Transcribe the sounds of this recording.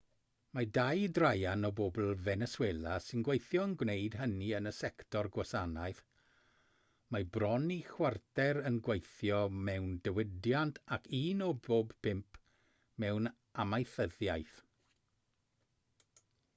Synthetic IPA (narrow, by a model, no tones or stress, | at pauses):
madajdrajanɔbobl̩ˠvɛnɛsweːlˠasɪnɡwejθjɔənɡwnejd̥ɦəniənəsɛktʰɔrɡwasanajθ | mabrɔnixwartɛɾənɡwejθjɔmɛwndəwɪdjantʰakʰiːnɔboːbpʰɪmpʰ | mɛwn | amajθəðjajθ